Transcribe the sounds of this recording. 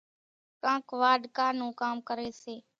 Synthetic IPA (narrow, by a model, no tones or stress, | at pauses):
kãːkʋaːɖ̪kaːnũːkaːmkəɾeːseː